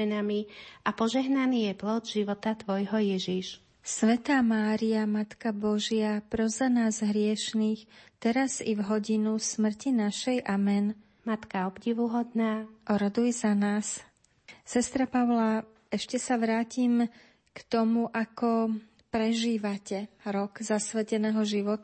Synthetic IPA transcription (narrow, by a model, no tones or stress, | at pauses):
ɛnamiapɔʒɛɦnaniːjɛplɔd̪ʒiʋɔt̪at̪ʋɔjɦɔjɛʒiʃ | sʋɛt̪aːmaːɾiamat̪kabɔʒɪapɾɔzanaːzɦɾɪɛʃniːxt̪ɛɾazivɦɔɟinusmr̩cinaʃɛjʔamɛn | mat̪kaɔbɟiʋuɦɔd̪naːʔɔɾɔd̪ujɛzanaːs | sɛst̪ɾapaʊla | ɛʃcɛsaʋɾaːcim | kt̪ɔmuʔakɔ | pɾɛʒiːʋacɛɾɔɡzasʋɛcɛnɛːɦɔʒiʋɔt̪